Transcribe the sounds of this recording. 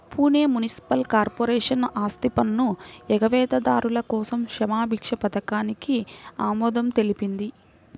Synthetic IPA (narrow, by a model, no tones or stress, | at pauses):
puːneːmunisi̥pɐlkaːɾpoːɾɛːʂɐnaːst̪ipɐnːuɛɡɐʋɛːd̪ɐd̪aːɾulɐkɔːsɐmʃɐmaːbʱikʂɐpɐt̪ɐkaːnikiaːmɔːd̪ɐmt̪e̞lipind̪i